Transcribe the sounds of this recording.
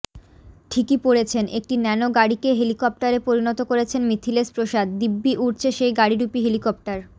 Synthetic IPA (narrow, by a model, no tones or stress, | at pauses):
ʈʰikipoɽet͡ɕʰenʔek̚ʈinɛnoɡaɽikeɦelikɔp̚ʈaɾepoɾinɔt̪okoɾet͡ɕʰenmit̪ʰilespɾoʃad̪d̪ibːiʔuʈt͡ɕʰeʃejɡaɽiɾupiɦelikɔp̚ʈaɾ